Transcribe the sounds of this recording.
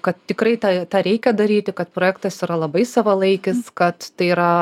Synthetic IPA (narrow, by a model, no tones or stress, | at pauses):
kɐt̪t̪ʲɪkɾɐɪt̪ɑt̪ɑːɾʲɛɪkʲɛd̪ɐɾʲiːt̪ʲɪkɐt̪̚pɾoːjæːkt̪ɐsiɾɐlˠɐbɐɪsɑʋɐlˠɐɪkʲɪskɐt̪tɐɪiːɾɐ